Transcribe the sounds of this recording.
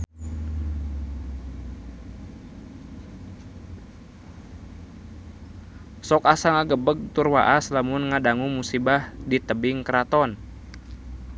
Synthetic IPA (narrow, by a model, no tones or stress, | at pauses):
sɔkasaŋaɡəbəɡ̚t̪urwaʔaslamunŋadaŋumusibahdit̪əbɪŋkəɾat̪ɔn